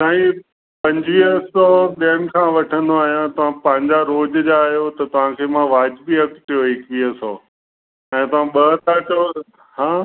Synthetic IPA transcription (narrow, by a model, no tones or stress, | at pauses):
saːɦĩ | pɐ̃ɲd͡ʑiəsɔːɓiəñɪ̆kʰãːʋɐʈʰə̃nd̪oaːɦijãt̪ɐʋ̤ãpɐ̃ɦɪ̃ɲd͡ʑaɾoːd͡ʑd͡ʑaːɦijot̪ɐt̪ɐʋ̤ãkʰeːmãʋaːd͡ʑbiɐkt̪ʰijoɦɪkiəsɔː | ɛ̃ːt̪ɐʋ̤ãɓɐɦt̪ʰato | hãː